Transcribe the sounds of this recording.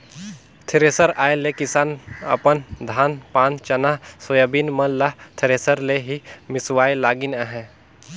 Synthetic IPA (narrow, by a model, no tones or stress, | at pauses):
t̪ʰɪɾesəɾaːjelekɪsaːnɐ̰pənd̪ʱaːnpãːnt͡ʃɐnasojabinmɐnlaɦt̪ʰɪɾeːsəɾleɦimɪswaːjlaːɡɪnaɦɛ̃